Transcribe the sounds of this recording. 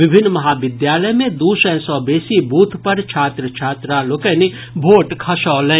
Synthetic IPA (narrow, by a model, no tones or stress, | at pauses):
ʋɪbʱɪnːmɐɦaːʋɪd̪jaːləjmẽd̪uːsɛ̃ːsɔːbeːsibʱuːt̪ʰpɐɾt͡ʃʰaːt̪ɾət͡ʃʰaːt̪ɾaloːkɛni | bʱoːʈkʰɐʃɔːlɛ̃ː